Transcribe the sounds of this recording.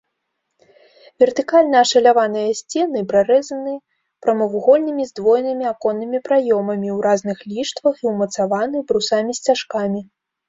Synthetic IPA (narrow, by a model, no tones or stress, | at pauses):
vʲɛrt̪ɨkalʲnɐːʂɐlʲavanɨjɐsʲt͡sʲɛnɨpɾaɾɛzɐnɨ | pɾɐmɐvuɣɔlʲnɨmʲizd̪vɔjnɨmʲiakɔnːɨmʲipɾajɔmɐmʲiwɾaznɨxlʲiʂt̪vɐxiwmɐt̪savanɨbɾusamʲisʲt͡sʲaʂkamʲi